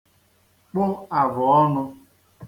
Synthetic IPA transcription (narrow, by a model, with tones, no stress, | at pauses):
k͡pʊ˦a˨bʊ˨ɔ˦nʊ˧